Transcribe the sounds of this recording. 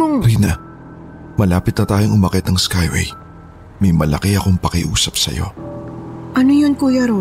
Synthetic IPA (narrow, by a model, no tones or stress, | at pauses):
ɾinɐ | mɐlaːpɪt̪̚nɐt̪aːjoŋʔʊmɐkɛt̪̚nɐŋskajwɛ̰j | mɐjmɐlɐkiɐkoŋpɐkɪʔuːsɐp̚sɐ̰jo̞̰ | ʔɐnojonkuːjɐɾo